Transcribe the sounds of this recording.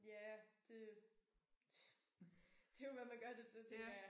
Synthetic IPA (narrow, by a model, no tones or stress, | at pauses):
jæd̥e̝̥ | d̥e̝jo̝ʋæmænɡ̥ɶɐd̥e̝t͡sʰe̝t͡sʰeŋ̥ɐjɑ